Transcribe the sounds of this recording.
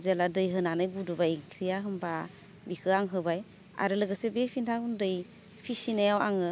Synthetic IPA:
zeladɯjɦɯnanɯjbudubajkʰɾijaɦɯmba | bikʰɯaŋɦɯbaj | a̰ɾɯlɯɡɯsebepʰintʰakundɯj | pʰisinajawa̰ŋɯ

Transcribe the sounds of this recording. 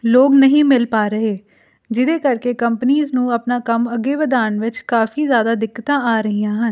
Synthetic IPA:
loːɡnəɦĩːmɪlpaːɾəɦeː | d͡ʒɪd̪eːkəɾkeːkəmpəniːznũːəpnaːkəməɡeːʋəd̪aːnʋɪt͡ʃkaːfʰiːzjaːd̪aːd̪ɪkːt̪ãːʔaːɾəɦiːãːɦən

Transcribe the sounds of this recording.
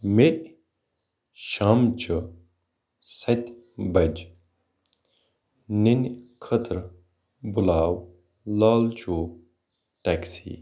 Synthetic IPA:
meʔ | ʃaːmt͡ʃə | sɐt̪ʲ | bɐd͡ʒ | ninkʰət̪ɾ | bulaːw | laːlt͡ʃu | ʈɛksḭː

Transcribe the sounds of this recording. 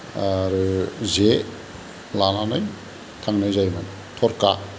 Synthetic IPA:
aɾɯze | lananɯj | tʰaŋnɯjzajman | tʰɔɾka

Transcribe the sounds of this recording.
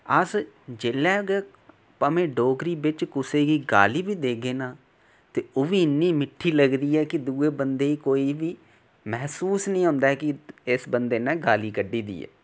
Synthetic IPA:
əsd͡ʒeːlɛːɡɛː | pəmẽːɖoːɡɾiːbɪt͡ʃkʊseːɡiːɡa̰ːliːbiːd̪eːɡeːnaː | t̪eːoʋiːɪnːiːmɪʈʰːiːləɡd̪iːɛːkɪd̪uːeːbənd̪eːiːkoːiːʋiː | mɛɦsuːsnĩːɦʊ̃ːnd̪aːkɪɪsbənd̪eːnɛ̃ːɡaːliːkəɖːiːd̪ḭːɛ̰ː

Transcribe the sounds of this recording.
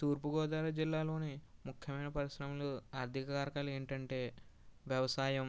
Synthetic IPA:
t̪uːɾpuɡɔːd̪aːɾɐd͡ʒilːaːlo̞ːnimukʰːjɐmɐjnɐpɐɾisɾɐmɐloːaːɾd̪ʱikɐkaːɾɐkɐleːɳʈɐɳʈe̞ːʋjɐʋɐsaːjɐm

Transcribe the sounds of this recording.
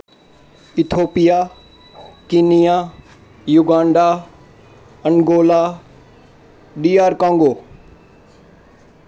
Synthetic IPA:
ɪt̪ʰoːpija | kiːnija | jʊɡãːɳɖa | ɐŋɡoːla | ɖiːaːɾkãːŋɡoː

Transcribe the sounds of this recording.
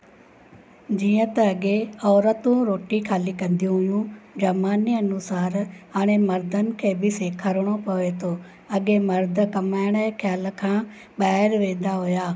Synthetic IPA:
d͡ʑiːə̃t̪ɐɐɠeɔːɾət̪ũɾoːʈikʰaːlikɐ̃nd̪ijũɦʊjũd͡ʑɐmaːniɐnʊsaːɾɦaːɽ̃emɐɾd̪ʱənɪ̆kʰeːbɪseːkʰəɾəɽ̃opɐʋet̪ʰoː | ɐɠemɐɾd̪̆ʱkɐmaːɪɽ̃əɦkʰjaːlkʰãː | ɓaːɦɪɾʋẽːnd̪aɦʊjaː

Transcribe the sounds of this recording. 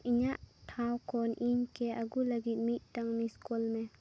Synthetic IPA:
iɲaʔtʰawkʰɔnʔiɲkɛʔaɡulaɡit̪̚mit̪̚taŋmiskɔlmɛ

